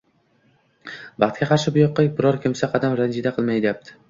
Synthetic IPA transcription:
bɑχt̪̚ɡʲaqʰɑɾʃɪbʊjɒqːɑbɪɾɒɾkʲʰɪmsaqʰɑd̪amɾand͡ʒid̪aqʰɨlˠmajd̪ɪjap̚t̪ʰɪ̥

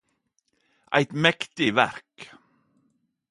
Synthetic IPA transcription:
ʔa̰jt̪mɛkt̪ɪvæ̰ɾk

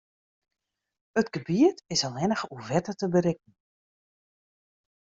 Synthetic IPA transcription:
ətɡəbiətɪsalˠʋɛnəxuvɛtətəbəɾɪk̚ən̩

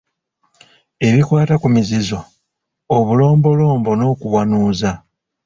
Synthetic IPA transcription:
e̞βikwaːtakumizizo̞ː | βulo̞ːmbo̞lo̞ːmbo̞no̞ːkuβwanuːza

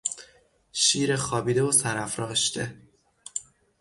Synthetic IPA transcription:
ʃiːɾexɒːbiːd̪evosæɾæfɾɒːʃt̪ʰe

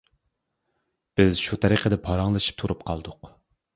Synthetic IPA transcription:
b̥ɪzʃut̪ʰɛɾiqʰəd̪ɛpʰɑɾɑŋlˠɨʃi̥p̚t̪ʰuɾup̚qʰɑ̰lˠd̪ʊq

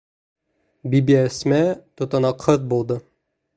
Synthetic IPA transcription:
bibiæsmæt̪ot̪ɑnɑqʰəð̚bulˠd̪ɤ

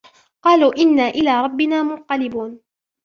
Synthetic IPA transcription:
qɑːluːʔɪnːaːʔɪlaːɾˤɑbːɪnaːmʊnqɑlɪbuːn

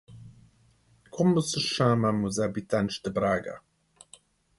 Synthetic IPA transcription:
kʰʊməsəʃãːmamuzabitʰanʃd̪əbɾaːɡa̰

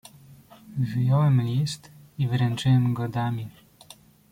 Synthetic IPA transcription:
vɘjɔwɛmlʲist̪ | ivɾɛnt͡ʂɘwɛmɡɔd̪amʲi

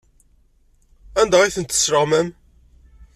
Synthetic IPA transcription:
ænd̪æʁiθənt̪ːə̥sːɾəʁmæm

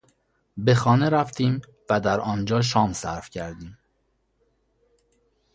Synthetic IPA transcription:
be̞xɒːne̞ɾæft̪ʰiːm | væd̪æɾɒːnd͡ʒɒːʃ̬ɒːmsæɾfcʰæɾd̪iːm

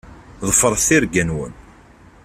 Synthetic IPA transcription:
ðˤəfəɾˤθiɾɡænwə̰n

